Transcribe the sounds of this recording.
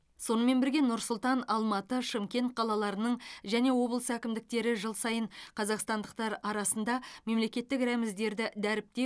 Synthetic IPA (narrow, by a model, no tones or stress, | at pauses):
so̞nəme̞nbɪɾɡʲe̞nʊɾsʊlˠt̪ɑnɑlˠmɑt̪əʃɪmkʲe̞nt̪̚qʰɑlˠɑlˠɑɾənəɴʒæne̞wo̞blˠəsəækʲɪmd̪ɪk̚t̪e̞ɾɪʒəlˠsɑjəɴqʰɑzɑqst̪ɑnd̪əq̚t̪ɑɾɑɾɑsənd̪ɑme̞mle̞kʲe̞t̪ːɪkɾæmɪzd̪e̞ɾd̪ɪd̪æɾɪp̚t̪e̞